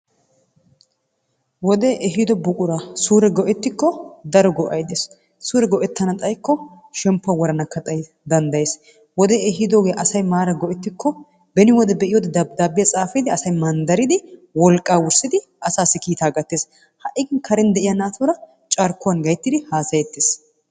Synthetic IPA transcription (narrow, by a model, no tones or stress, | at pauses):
wɔd̪ɛʔɛɦɪd̪ɔbʊkʼʊɾasuːɾɛɡɔʔɛt̪ːɪkːɔd̪ɐɾɔɡɔʔɐ̰jd̪eːs | suːɾɛɡɔʔɛt̪ːɐnɐt̪ʼɐjkːɔ | ʃɛmpːɐwɔɾɐnɐkːɐt̪ʼɐj | d̪ɐnd̪ɐjeːs | wɔd̪ɛɛɦɪd̪oːɡeːʔɐsɐjmaːɾɐɡɔʔɛt̪ːɪkːɔ | bɛnɪwɔd̪ɛbɛʔɪjod̪ɛd̪ɐd̪aːbːɪjɐt͡sʼaːfɪd̪ɪɐsɐjmɐnd̪ɐɾɪd̪ɪwɔlkʼːaːwʊɾsɪd̪ɪ | ʔɐsaːsːɪkiːt̪aːɡɐt̪ːeːs | hɐʔːɪɡɪnkʰɐɾɛnd̪ɛʔɪjɐnaːt̪ʰuɾɐ | t͡ʃʼaɾkːʊwɐnɡɐjt̪ːɪd̪ɪhaːsɐjɛt̪ːeːs